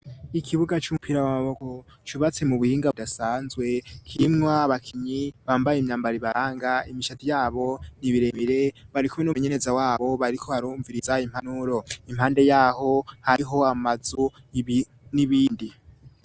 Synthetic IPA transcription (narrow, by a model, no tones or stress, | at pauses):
ikʰiβuɡat͡ʃupʰiɾawamaβo̞ko̞ | t͡ʃuβat͡se̞muβuhiːŋɡadasaːnzwe̞kʰimŋwaβakʰiɲiβaːmbajemɲaːmbaɾiβaɾaːŋɡaimiʃatijaːβo̞niβiɾemiɾe̞βaɾikumwenuɲe̞ne̞zawaːβo̞βaɾikʰo̞haɾuːɱviɾizaim̥hanuɾo̞im̥haːnde̞jaːho̞haiɦo̞amazu | niβiːndi